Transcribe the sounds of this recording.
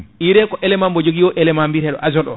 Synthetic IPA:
iɾɛkɔʔɛlɛmambɔd͡ʒoɡiwɔʔɛlɛmambiɾɛɗɔ̰ʔazɔɗɔ

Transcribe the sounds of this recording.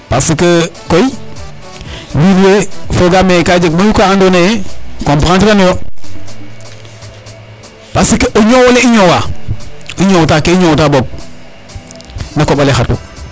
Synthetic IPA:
pasikəkoi | wiɾefoɡamekad͡ʒek̚maukaandonejekompɾantikanojo | pasikeʔoɲowoleiɲowa | iɲowtaːkeiɲowtaboɡ̚ | nakobalexatṵ

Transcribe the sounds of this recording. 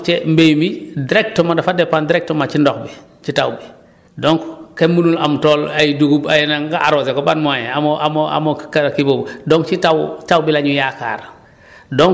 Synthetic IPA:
t͡ʃembejmidiɾek̚tomadafadepandiɾek̚tomat͡ʃindɔkbi | t͡ʃitawbi | doŋkkemːunulamtoːlajiduɡubajinaŋkaʔaɾosekobanmajeamoʔa̰moa̰mokakibobdoŋt͡ʃitawtawbilaɲujaka̰ːɾ | doŋ

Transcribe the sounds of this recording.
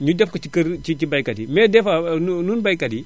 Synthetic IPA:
ɲudɛfkɐt͡ʃikɐɾt͡ʃit͡ʃibajkɐdimɛdɛfanununbajkadi

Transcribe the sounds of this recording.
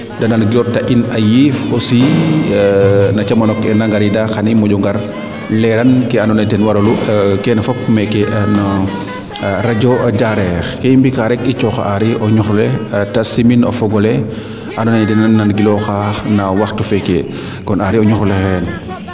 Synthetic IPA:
dɐnanɡilɔɾtɐʔinɐjifɔsi | nɐt͡ʃɐmɐnɔkɛnaŋɡaɾidaxɐnimɔɟɔŋɡɐɾ | lɛɾɐnkɛanɔnatɛnwɐɾɐlukɛnfɔpmɛkɛnɐ | ɾɐɟɔɐɟaɾɛːxkɛimbikaɾɛkit͡ʃɔxa̰ʔaɾiʔɔɲuxlɛtɐsiminɔ̰fɔɡɔlɛ | ʔanɔnajdinananɡilɔxaːxnawaxtufɛkɛ | kɔnaɾiɔɲuxulɛxɛn

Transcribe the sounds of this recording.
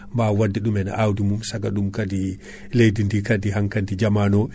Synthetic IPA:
mbawadːiɗumɛna̰ʔawdimumsaɡaɗumkadi | lejdindikadiɦaŋkantid͡ʒamanɔ

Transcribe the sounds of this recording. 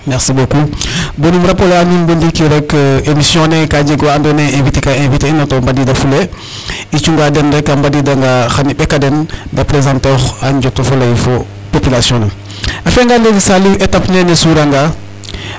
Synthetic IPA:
mɛxsibokubənumɾɐpoleanumbəndikiɾɛkːemisjɔ̃nekaɟeɡandoneẽvitekaẽviteinɔtombadidɐfule | it͡ʃuŋɡadɛnɾɛkːambadidaŋɡaxanibɛkadɛndɐpɾezãntexaɲɟotofolɐjfo | popilasijɔ̃nɐ | afeŋɡandeɡisalietapnenesuɾaŋɡa

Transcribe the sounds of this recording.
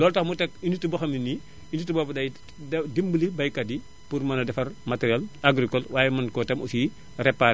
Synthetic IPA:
lɔːltɐxmutɛk̚initːubɔxɐmini | initubɔbɐdɐj | dimbulibɐjkɐdi | purmɐnɐdɛfɐrmatɛɾijalaɡɾikɔlwaːjɛmɐnkɔtɐmṵsi | rɛpːaɾ

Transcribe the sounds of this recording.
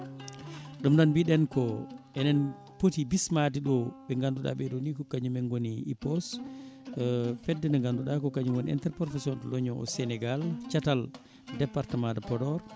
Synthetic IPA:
ɗumɗanbiɗɛnkɔɛnɛn | potibismadiɗɔɓɛŋɡanduɗa̰ɓɛɗonikɔkaɲumɛnɡoniːpɔs | fɛdːɛnɛŋɡanduɗakɔkaɲumɡoniɛ̰ntɛɾpɔɾfɛsiɔntɔlɔɲɔʔɔ̰sɛnɛɡalt͡ʃatal | dɛpaɾtamadapɔdɔɾ

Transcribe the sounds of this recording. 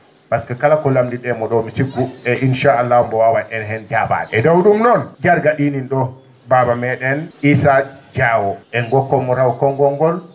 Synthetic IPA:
paskakalakɔlamdiɗɛmɔɗɔmisiɡuɛʔinʃaalːahumbɔwawanʔɛnɦɛnd͡ʒaba̰ɗɛɛdawɗumnɔnd͡ʒaɾɡaɗininɗɔ | babamɛɗɛnisad͡ʒawɔʔɛŋɡɔkːɔmɔɾawkɔŋɡɔŋɡɔl

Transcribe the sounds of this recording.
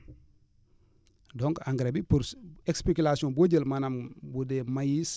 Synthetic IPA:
dɔŋkaŋɡɾebiuekspekulasiõnboɟəlmanambudemajis

